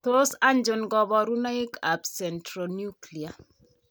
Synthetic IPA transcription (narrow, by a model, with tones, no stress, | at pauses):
t̪osa˦nd͡ʒʊ˨nɡɔ˨bɔ˨ɾu˦na˦ɪ˦ka˨bsɛ˨ntɾonju˦kli˨a˨